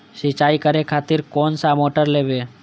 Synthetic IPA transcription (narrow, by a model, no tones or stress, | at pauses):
ʃet͡ɕajkaɾekʰat̪iɾkonsamoʈaɾlebe